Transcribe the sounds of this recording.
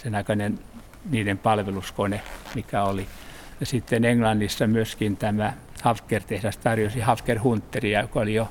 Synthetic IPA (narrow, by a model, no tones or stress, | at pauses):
senɑikɑnen | niːnempɑlʋeluskonemikæoli | jɑsit̪ːeneŋlɑnːisːɑmyøskint̪æmæ | hɑfkːert̪ehræst̪ɑrjosihɑfkerhunt̪ːeriɑjokɑolijo